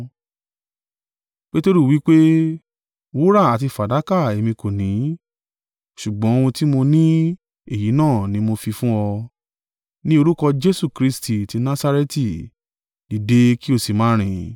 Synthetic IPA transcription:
k͡pe˦to˦ɾu˦˨wi˨˦k͡pe˦ | wu˦ɾa˦˨a˨ti˧fa˨da˨˦ka˦˨e˧˨mĩ˧ko˨nĩ˨˦ | ʃu˨ɡ͡bɔ̃˨˦o˧wũ˧ti˦mo˧nĩ˦ | e˦˨ji˨˦nãː˦˨nĩ˨˦mo˧fi˧fũ˦ɔ˧ | nĩ˦o˧ɾu˦kɔ˧d͡ʒe˦su˦˨kɾi˦sti˦˨ti˨˧nã˦sa˦˧ɾe˦ti˨ | di˨de˨˦ki˦o˦˨si˨mãː˨˦ɾ̃ĩ˨

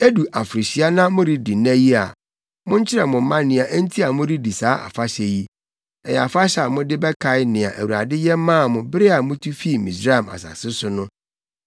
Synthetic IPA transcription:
e˦du˨ʔa˨fɾɪ˨ɕi˦a˦nã˦mʊ̃˦ɾi˦di˨næ̃˦ji˦a̰˨ | mʊ̃˦ɲ̩˦t͡ɕʰɪ˦ɾɛ˨mʊ̃˨˦mã˦nɪ̃˨˦a˨ʔn̩˦tʰi˦a˨mʊ̃˦ɾi˦di˨saː˨˦ʔa̰˨fa˦ɕɛ˨ji˦ | ɛ˨jɛ˨a˨fa˦ɕa˨mʊ̃˦dɪ˦bɛ˦kʰa˨ɪ˦nɪ̃˨a̰˨ʔæ˨wu˨a̰˨dɪ˦jɛ˦m˦mã˦˨mʊ̃˨bɪ˦ɾɪ˦a˨mʊ̃˦tʰu˦fi˦˨mĩ˨sɾa˦a˨ma̰˨sa̰˨sɪ˦sʊ˦nʊ̃˦

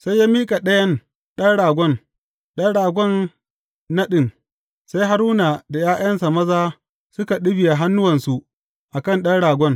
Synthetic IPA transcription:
sa˦jːaː˦miː˦kʼa˨ɗɐ˦jɐ˦n | ɗɐ˦nɽaː˨ɡʷɔ˦n | ɗɐ˦nɽaː˨ɡʷɔ˦˨nː | ɐ˦ɗɪ˨n | sa˦jɦa˦ɾuː˦na˨da˨jaː˦jɐ˦nsa˨mɐ˦zaː˦ | sʊ˦ka˨ɗʊ˦bɪ˨ja˨ɦa˦nːʊ˦wɐ˨nsu˨ʔ | ʔa˨kɐ˦˨nɗɐ˦nɽaː˨ɡʷɔ˦n

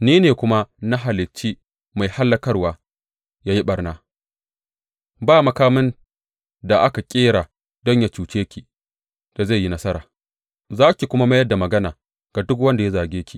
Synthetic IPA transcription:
niː˦neː˨kʷʊ˦ma˦na˦ɦa˨lɪ˨t͡ʃːiː˦ | ma˨jha˦lːɐ˦kɐ˦rwaː˨ | jaː˦ji˦ɓɐ˨rnaː˦ | baː˦˨mɐ˦kaː˦mɪ˦n | da˨ʔa˦ka˨kʲʼeː˦ɽaː˨ | dɔ˦ɲja˨t͡ʃuː˨t͡ʃeː˦kʲi˨ | d̥a˨za˦˨jːi˦nɐ˦sɐ˦ɾa̰ː˨ | zaː˦kʲi˨kʷʊ˦ma˦ma˦jɐ˦da˨mɐ˨ɡɐ˦naː˨ | ɡ̥a˨dʊ˦k̬wɐ˦nda˨ja˦zaː˨ɡʲeː˦kʲʰi˨

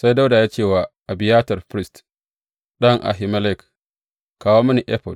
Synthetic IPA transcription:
sa˦jda˦wda˨jaː˦t͡ʃeː˦˨waː˨ʔa˨bɪ˨jaː˦tɐ˨rɸɾɪ˦st | ɗɐ˦ŋʔa̰˨ɦɪ˨mɐ˦lɛ˦˨k | kaː˦woː˦mɐ˦ni˨ʔɛ˦ɸɔ˨d

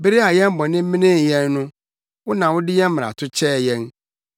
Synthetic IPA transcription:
be˦ɾi˦a˨jɛ̃˦m˦bɔ̃˨nɪ̃˦m̩˦mĩ˦nɪ̃˦n˨jɛ̃˦nːʊ̃˦ | wʊ˦nã˨wʊ˦dɪ˦jɛ̃˦m̩˦mɪ̃˨a̰˨tʰʊ˦t͡ɕʰɛ˦˨jɛ̃˦n

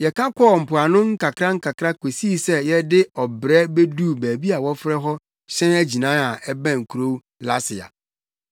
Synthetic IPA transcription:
jɛ˨kʰã˦kʰɔː˦˨m̩˨pʰʊ˨a˨nʊ̃˦ŋ̩˦ka˨kʰɾa˦ŋ̩˦ka˨kʰɾa˦kʰo˨si˦˨sɛ˦jɛ˦dɪ˦ɔ˨bɾɛ˦be˦du˦bæː˨bi˦a˨wɔ˦fɾɛ˦ɦɔ˦ | ɕɛ̃˦næ˦d͡ʑi˨nãː˦a˨ɛ˦bæ̃˦˨ŋ̩˨kʰu˨ɾo˦ | la˦sɪ˨a̰˨

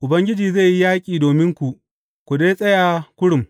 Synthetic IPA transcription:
ʔʊ˨bɐ˦ŋɡʲɪ˦d͡ʒiː˨ze˦˨ji˦jaː˦kʲʼiː˨doː˨mɪ˦ŋkʷu˨ʔ | kʷu˨deː˦sʼɐ˦jaː˨kʷʊ˦ɽʊ˨m

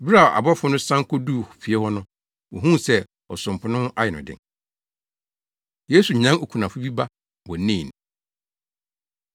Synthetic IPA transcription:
ba˨a̰˨bɔ˦fʊ˦nʊ̃˦sã˦ŋ˦kɔ˦du˦˨hʊ̥˨fi˨ɛ˦hɔ˦nʊ̃˦ | wɔ˨ɦũ˦˨sɛ˦ | ɔ˨sʊ̃˨m˨pʰʊ˨nʊ̃˦hʊ̃˦ʔa˦jɪ˨nʊ̰̃˨dɪ̰˨ŋ | je˦su˨ɲã˦ŋo˨kʰu˨nã˨fʊ˦bi˦ba˦ | bɔ̃˨nĩː˦˨ñ˨

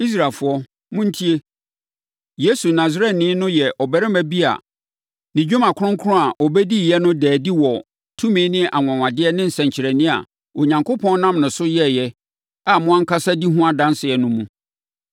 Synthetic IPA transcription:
i˦s̬ɾa˨lfʊ˨˦ɔ˦ | mʊ̃˦n̩˦tʰi˦e˦ | je˦su˨nã˨zɾɛ˦tnɪ̃˦nʊ̃˦jɛ˨ʔɔ˨bɛ˦ɾɛ˦mæ˨bi˦a̰˨ | nɪ̃˨d͡ʑᶣu˦mã˨kʰʊ˦ʊ̃˦ŋ̩˦kʰʊ˦ʊ̃˦a˨ʔɔ˨bɛ˦di˦˨jɛ˦nʊ̃˦dɛː˨di˦wɔ˨ | tʰũ˦mĩː˨˦nɪ̃˦ʔa˨ŋ˨ã˨wã˨dɪ˦ɛ˦nɪ̃˦n̩˨sɛ̃˨ɲ˨t͡ɕʰɪ˨ɾæ˨nĩ˦a̰˨ | o˨ɲã˨ŋko˦pʰɔ̃˦n˦nã˦˨mnʊ̃˨sʊ˦jɛ˦˨jɛ˦ | a˨mʊ̃˦ã˦ŋ̩˦kʰa˦sa˦di˦ɦũ˦a˦dã˦n˦sɪ˨ɛ˨nʊ̃˦mũ˦

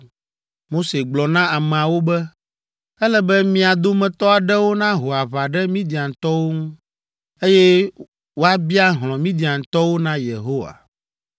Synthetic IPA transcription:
mo˦se˨ɡ͡blɔ˨nã˦a˨mɛ̃˨a˨wo˦bɛ˦ | ɛ˦lɛ˦bɛ˦mĩ˨a˨d̪o˦mɛ̃˨t̪ɔ˦a˨ɖɛ˦wo˦nã˦ɦo˨a˨βa˨ɖɛ˦mĩ˦d̪i˨ã˨ŋ̩˨t̪ɔ˦wo˦ŋũ˦ | e˦jɛ˦ | wo˦a˦bi˦a˦ɦl̃ɔ̃˨mĩ˦d̪i˨ã˨ŋ̩˨t̪ɔ˦wo˦nã˦je˨ɦo˦wa̰˨

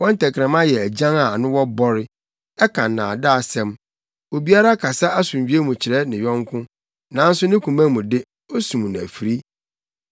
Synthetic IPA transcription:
wɔ̃˦n̩˦tʰɛ˨kʰɪ˨ɛ̃˨mã˦jɛ˨æ˨d͡ʑã˦ŋa˨nʊ̃˦wɔ˦bɔ˦ɾɪ˦ | ɛ˦kʰã˨n˨nã̰ː˨da˦˨sɛ̃˦m | o˨bi˦a˦ɾa˦kʰa˨sa˦a˦sũ˨ɲ˨d͡ʑᶣi˦e˦mũ˨t͡ɕʰɪ˨ɾɛ˦nɪ̃˨ɥᶣɔ̃˦ŋ˦kʰʊ̃˦ | nã˨˦n̩˦sʊ˦nɪ̃˦kʰũ˨mæ̃˦mũ˨dɪ˦ | o˦sũ˨m˨n˨æ̰˨fi˨ɾi˦

